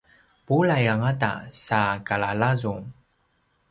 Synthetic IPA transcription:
pulajaŋata̰sakalalazum

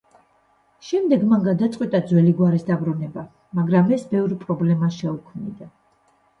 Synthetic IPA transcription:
ʃɛmd̪ɛɡmaŋɡad̪at̪sʼqʼwit̪ʼad̪zwɛliɡwaɾisd̪abɾɔnɛba | maɡɾamɛsbɛvɾipʼɾɔblɛmaʃɛukʰmnḭd̪a

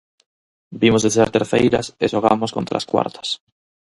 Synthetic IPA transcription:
bimozðeθeɾt̪eɾθejɾaseʃoɣ̞a̰moskont̪ɾa̰skwa̰ɾt̪ʰḁs

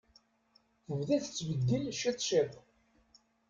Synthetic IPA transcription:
θəvðæθt͡sːvəd̪ːinʃit̪ˤʃet̪ˤ

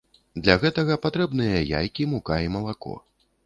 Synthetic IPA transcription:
d̪lʲɐɣɛt̪ɐɣɐpat̪ɾɛbnɨjɐja̰jkʲimukaimɐlˠakɔ̰

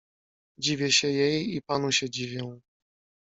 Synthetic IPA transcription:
d͡ʑivʲɛɕɛjɛjipanuɕɛd͡ʑivʲjɛ̃

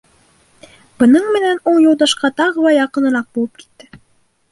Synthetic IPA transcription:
b̥ɤ̆nɤɴmɘ̆nænulˠjŭlˠd̪ɑʃqɑt̪ɑʁɤ̆wɑjɑqɤ̆nɤ̆ɾɑq̚bulˠɤp̚ki̥t̪ːɘ

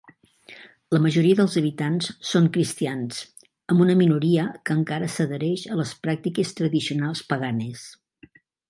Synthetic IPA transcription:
ləməʒuɾiəðəlˠzəβ̞it̪anssoŋkɾist̪ians | əmbunəminuɾiəkəŋkaɾəsəðəɾɛʃələspɾak̚t̪ikest̪ɾəðisiunalˠspəɣ̞anes

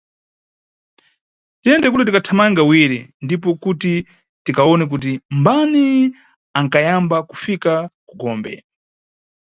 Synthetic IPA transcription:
tiɛndɛkutɛtikatʰamaŋɡawiɾḭndip̬ɔkuti | tikaɔnɛk̬ut̬imbani | aŋkajambaku̥fikaku̥ɡɔːmbɛ̰

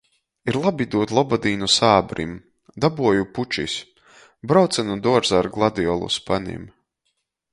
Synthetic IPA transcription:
iɾlˠabid̪uɔt̪lˠɔbad̪iːnusaːbɾḭm | d̪abuɔjuput͡ʃisʲ | bɾawt̪sɛnud̪uɔɾzaɾɡlˠad̪iɔlˠṵspanḭm

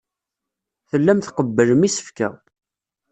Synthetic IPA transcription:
θəlːæmθqəbːələmisə̥fkæ̰

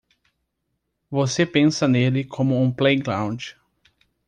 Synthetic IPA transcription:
vosepẽnsɐnelɪkʰõmʊũplejɡlãw̃d͡ʒɪ

